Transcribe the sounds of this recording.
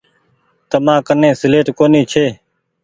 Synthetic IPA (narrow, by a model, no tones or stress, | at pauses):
t̪əmãːkənẽːsɪleːʈkoːniːt͡ʃʰeː